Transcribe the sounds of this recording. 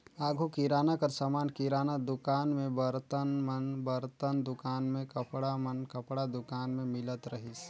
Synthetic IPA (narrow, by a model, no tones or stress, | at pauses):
aːɡʱokiɾaːnakəɾsamaːnkiɾaːnad̪ʊkaːnmẽbəɾt̪ənmənbɐɾt̪ənd̪ʊkaːnmẽkɐpɽamənkɐpɽad̪ʊkaːnmẽmɪlət̪ɾɐɦis